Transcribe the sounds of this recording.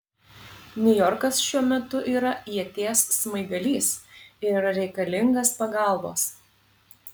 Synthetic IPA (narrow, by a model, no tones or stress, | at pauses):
nʲʊjɔɾkɐsʃʲuɔmʲɛt̪ʊʔiːɾɐɛt̪ʲeːsːmɐɪɡɐlʲiːsɪɾɾʲɛɪkɐlʲɪŋɡɐspɐɡɑˑlˠboːs